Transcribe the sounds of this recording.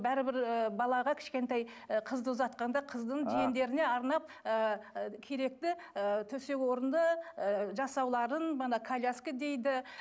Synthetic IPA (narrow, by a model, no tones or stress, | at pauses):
bæɾɪbɪɾəbɑlˠɑʁɑkʲʰɪ̥ʃkʲe̞nt̪ɑjqʰəzd̪əʊzɑt̪̚qɑnd̪ɑqʰəzd̪əɴʒijend̪e̞ɾɪne̞ɑɾnɑp̚ | əkʲʰe̞ɾe̞k̚t̪ɪ | ət̪ʰɵse̞kʲwo̞ɾənd̪əʒɑsɑwlˠɑɾənbɑnɑkʰalʲaskʲəd̪e̞jd̪ɪ